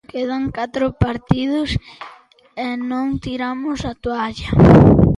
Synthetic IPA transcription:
keðaŋkat̪ɾʊpaɾt̪iðʊs | ɛnõŋt̪iɾamʊsat̪uaʎɐ

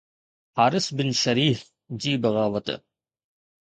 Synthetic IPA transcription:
haːɾɪsbɪnʃɐɾiːf | d͡ʑiːbɐɣaːʋɐt̪

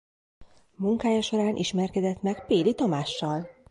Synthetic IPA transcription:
muŋkaːjɒʃo̞ɾaːnʔiʃmɛrkɛd̪ɛt̪mɛkpeːlit̪ɒmaːʃːɒl

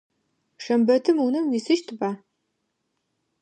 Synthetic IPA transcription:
ʂɐmbɐtʰɨmunɨmwiːsɨʃtʰɨbaː

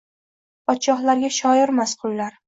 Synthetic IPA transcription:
pʰɒt̪ʃɒχlaɾɡʲaʃɒɪɾmasqʰʊlːaɾ

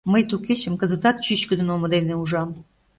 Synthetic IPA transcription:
məjt̪uket͡ɕə̆mkə̆zə̆t̪ɑt̪̚t͡ɕyɕkə̆d̪ə̆nomə̆d̪eneuʒɑm

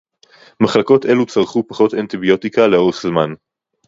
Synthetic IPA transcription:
maχlako̞te̞lut͡saʁχupaχo̞t̪ant̪ibijo̞tikaleo̞ʁχzman

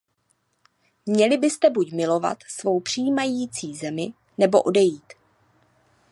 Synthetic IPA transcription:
mɲɛlɪbɪst̪ɛbucmɪlo̞va̰t̪svo̞wpr̝̥ijːmajiːt͡siːzɛmɪ | nɛbo̞ʔodɛjiːt̪

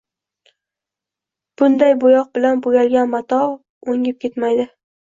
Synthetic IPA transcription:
b̥ʊnd̪ajbojɒq̚bɪlanbojʲalɡʲanmat̪ʰɒ | oŋɪp̚kʲʰe̞t̪majd̪ɪ

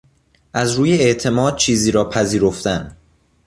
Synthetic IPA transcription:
ʔæzɾuːjeeʔt̪ʰe̞mɒːd̪̥̚t͡ʃʰiːziːɾɒːpʰæziːɾo̞ft̪æn

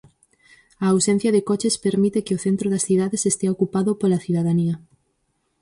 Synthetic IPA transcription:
ɐːwsẽn̟θjɐðɪkɔt͡ʃespeɾmit̪ɪkɪoθent̪ɾoðɐsθiðaðesest̪eaokupaðopolɐθiðaðaniɐ

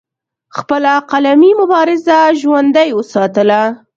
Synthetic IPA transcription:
xpəlaqalamimʊbɑɾɪzaʒwand̪ajwəsɑt̪əla

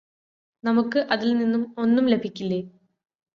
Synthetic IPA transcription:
nɐmukːɨʔɐðilninːumo̞nːumle̞bʱikʲːilːe

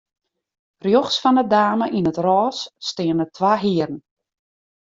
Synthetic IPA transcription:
rjoχsfɔnədaːməʔinətrɔːsːtɪənətʰʋaːɦiərn̩

